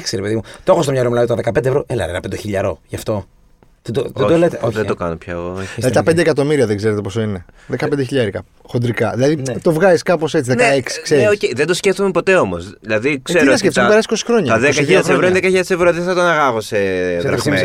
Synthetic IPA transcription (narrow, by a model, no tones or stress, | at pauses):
kseɾepeðimut̪oxost̪omɲɐlomelɐðit̪ɐðekɐped̪evɾo̞ʔelɐ̰ɾenɐpend̪eçiʎɐɾo̞ʝɐft̪o̞ | ðed̪oed̪olet̪eoðed̪okɐnopçɐoiɐðit̪ɐpe̞nd̪ekɐt̪o̞miɾiɐðeɡze̞ɾet̪epo̞soineðe̞kɐpend̪eçiʎɐɾikɐ | xo̞nd̪ɾikɐðilɐðit̪o̞vɣɐziskɐpo̞se̞t͡siðenɐeeksi̥kseɾieocejðend̪o̞sceft̪omepo̞t̪e̞o̞mozðilɐðikseɾiɐsceft̪ompeɾɐsisi̥kosi̥xɾo̞ɲɐɐðekɐionevɾoinðekɐçiʎɐɾsevɾoðiθɐt̪oɐnɐɣɐɣoseɾɐe